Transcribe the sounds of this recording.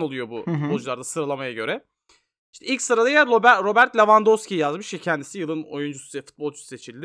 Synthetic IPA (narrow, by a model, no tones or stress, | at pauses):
no̞lˠujo̞bubod͡ʒulˠaɾd̪asɯɾalˠamajaɟø̞ɾɛ | iʃt̪ʰɛilʲcʲsɯɾalˠajaobɾo̞bæɾt̪lʲevand̪oscijijazmɯʃjɛcʰɛnd̪isijɯlˠɯno̞̰jund͡ʒussɛfu̥t̪̚bolˠt͡ʃʰu̥sse̞t͡ʃʰilʲd̪ɪ